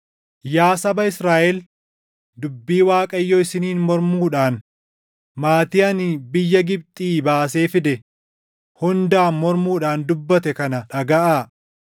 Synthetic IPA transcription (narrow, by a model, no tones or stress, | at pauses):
jaːsɐbɐɪsɾaːʔɛl | d̪ʊbːiːwaːkʼɐjːɔːɪsɪniːnmɔɾmuːᶑaːn | maːt̪iːɐnɪbɪjːɐɡɪb̚t̪ʼiːbaːse̞ːfɪd̪ɛ | hʊnd̪aːnmɔɾmuːᶑaːnd̪ʊbːɐt̪ɛkɐnɐᶑɐɡɐʔaː